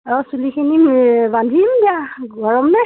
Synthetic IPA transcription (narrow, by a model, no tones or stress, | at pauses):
ɔsulikʰinibandʱimɡiaɡʱɔɹɔmnɛ